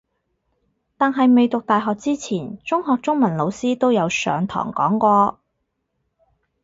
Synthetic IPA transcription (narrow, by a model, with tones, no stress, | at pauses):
t̪aː˨nɦɐ˨jme˨jt̪ʊ˨k̚t̪aː˨jɦɔː˨k̚t͡siː˥t͡sʰiː˨˩nt͡sʊ˥ŋhɔː˨k̚t͡sʊ˥ŋmɐ˨˩nlo˨˧wsiː˥t̪o˥wjɐ˨˧wsœ̰ː˨˧ŋt̪ʰɔ̰ː˨˩ŋkɔ̰ː˨˥ŋkʷɔː˧